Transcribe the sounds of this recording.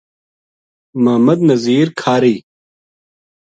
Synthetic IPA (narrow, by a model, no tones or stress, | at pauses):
mɐːmɐd̪nɐziːɾkʰaːɾiː